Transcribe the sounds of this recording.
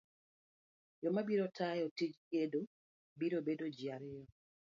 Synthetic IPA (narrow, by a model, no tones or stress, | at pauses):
jɔmabiɾotʰajɔtid͡ʒkedo | biɾobedod͡ʒjaɾɪjɔ